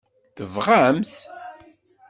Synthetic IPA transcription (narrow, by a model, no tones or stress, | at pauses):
θəvʁamθ